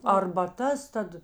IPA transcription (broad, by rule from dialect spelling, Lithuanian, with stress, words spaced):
ɐrbɐˈtɐs ˈtɐt